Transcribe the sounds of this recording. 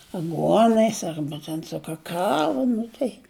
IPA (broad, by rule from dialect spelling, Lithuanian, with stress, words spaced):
ɐˈɡuɔnɐɪs ˈɐrbɐ tʲɛn sʊ ˈkɑːkɐʋɐ ˈnʊ tɐɪ